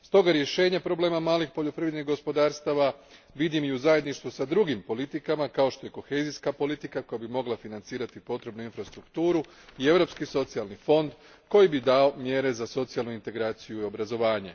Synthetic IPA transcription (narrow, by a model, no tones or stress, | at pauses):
st̪o̞ɡaɾje̞ʃe̞ːɲapɾo̞ble̞ːmamaːlixpo̞ʎo̞pɾiʋed̪niɣɡo̞spo̞d̪aːɾst̪aʋa | ʋid̪imiuzaje̞d̪niʃt̪ʋusad̪ɾuɡimpo̞lit̪ikamakao̞ʃt̪o̞je̞ko̞xe̞ːziskapo̞lit̪ikako̞jabimo̞ɡlˠafinant̪siːɾat̪ipo̞t̪ɾe̞bnuinfɾast̪ɾukt̪uːɾu | ie̞vɾo̞pskiso̞t̪sialˠnifo̞nd̪ | ko̞jibid̪ao̞mje̞ɾe̞zaso̞t̪sijalˠnuint̪e̞ɡɾaːt̪sijuio̞bɾazo̞ʋaːɲe